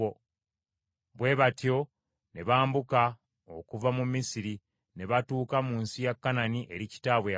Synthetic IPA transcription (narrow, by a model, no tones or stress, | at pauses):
βwe̞ːβatjo̞ | ne̞βaːmbuka | okuvamumːisiɾi | ne̞βatuːkamuːnsijakːananiʔe̞ɾici̥taːβwe